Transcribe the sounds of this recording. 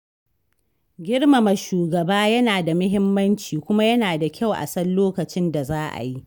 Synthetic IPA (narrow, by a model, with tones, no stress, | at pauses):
ɡʲɪ˦ɽma˨ma˨ʃuː˨ɡɐ˨baː˦jɐ˦naː˨da˨mʊ˦ɦɪ˦mːɐ˦nt͡ʃiː˨kʷʊ˦ma˦jɐ˦naː˨da˨kʲa˦˨wʔa̰˨sɐ˦lloː˦kɐ˨t͡ʃɪ˦nda˨zaː˦ʔa̰˨ji˦ʔ